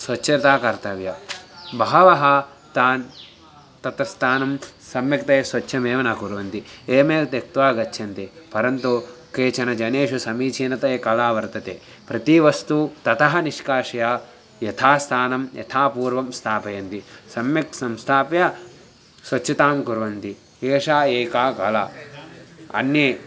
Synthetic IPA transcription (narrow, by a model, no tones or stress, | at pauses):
sʋɐt͡ʃːʃʰɐɾt̪aːkɐɾt̪ɐʋjɐbɐɦɐʋɐɦɐ | t̪aːn | t̪ɐt̪ɐst̪ʰaːnɐmsɐmjɐk̚t̪ɐjɐsʋɐtːʃʰɐmeːʋɐnaːkuɾɐʋɐnt̪ieːmeːlt̪ek̚t̪ʋaːɡɐt͡ʃːʃʰɐnt̪epɐɾɐnt̪ukeːt͡ʃɐnɐd͡ʒɐneːʃusɐmiːt͡ʃʰiːnɐt̪ɐjɐkɐlaːʋɐɾt̪ɐt̪ḛː | pɾɐt̪iʋɐst̪ut̪ɐt̪ɐɦɐniʃkaːʃɐjaː | jɐt̪ʰaːst̪ʰaːnɐmjʔɐ̰t̪ʰaːpuːɾʋɐmst̪ʰaːpɐjɐnt̪isɐmjɐksɐmst̪ʰaːpjɐ | sʋɐɐt̪aːmkuɾʋɐnt̪i | eːʂaːeːkaːkɐla̰ː | ɐ̰nje